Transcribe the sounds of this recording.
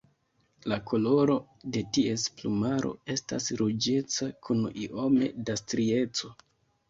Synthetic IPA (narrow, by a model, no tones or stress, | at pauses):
lakʰo̞lo̞ɾo̞ | de̞tie̞splumaɾo̞̰e̞sta̰sɾud͡ʒe̞t͡sakʰuniʔo̞me̞̰dastɾie̞t͡so̞